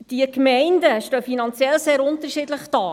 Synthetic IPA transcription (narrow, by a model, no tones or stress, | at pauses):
d̥iəkmɛɪndəʃtœːfinɑnt͡sjɛlseːɾʊntəʃiːdləχd̥ɑː